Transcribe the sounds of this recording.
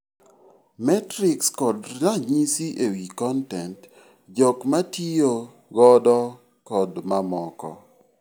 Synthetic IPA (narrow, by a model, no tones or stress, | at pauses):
mɛtɾɪkskɔdaɲisiʔewikɔntɛnt | d͡ʒɔkmatijo | ɡɔdɔ | kɔdmamɔkɔ̰